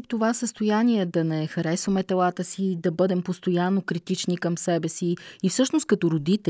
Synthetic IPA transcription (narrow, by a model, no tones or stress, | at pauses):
pt̪ovasəst̪ojaniɛd̪ɐnɛxɐɾɛsvəmɛt̪ɛlˠat̪əsid̪ɐbɤd̪ɛmpost̪ojanːokɾit̪it͡ʃnikəmsɛbɛsiːfsɤʃnost̪kɐt̪oɾod̪it̪ɛ